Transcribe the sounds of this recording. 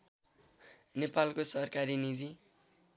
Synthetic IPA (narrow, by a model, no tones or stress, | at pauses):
nepalkosʌrkaɾinid͡zi